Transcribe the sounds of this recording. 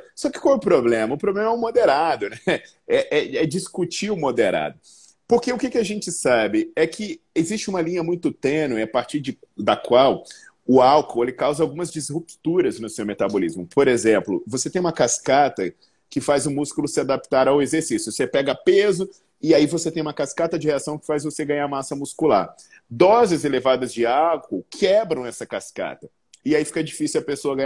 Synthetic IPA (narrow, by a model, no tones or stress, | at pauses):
sɔkɪ̥kawɛʊpɾoblẽmɐʊpɾoblẽmɐɛɛʊ̃mod̪eɾad̪ʊnɛ | ɛʔɛɛd͡ʒiskut͡ʃiʊmod̪eɾa̰d̪ʊ | poɾkeʊkekɪaʒẽnt͡ʃɪsabɪɛkʰɪezist͡ʃɪũmɐlĩɲɐmũj̃t̪ʊt̪ẽnʊiapaɾt͡ʃiɾd͡ʒɪ | d̪ɐkwaw | ʊawkoelɪkawzɐawɡũmɐzd͡ʒizhupt̪uɾɐznʊsewmet̪abolizmʊpoɾezẽmplʊ̰voset̪ẽj̃ũmɐkaskat̪ɐ | kɪfazʊmuskulʊsɪad̪ap̚t̪aɾawezeɾsisjʊsepɛɡɐpezʊ | ɪaivoset̪ẽj̃ũmɐkaskat̪ɐd͡ʒɪheasɐ̃w̃kɪ̥fajzvoseɡɐ̃ɲaɾmasɐmuskula̰ɾ | d̪ɔzɪzelevad̪ɐzd͡ʒɪawkowkʰɛbɾɐ̃w̃ɛsɐkaska̰t̪ɐ | ɪaifi̥kɐd͡ʒifisuwɐpesoɐɡɐ̃ɲ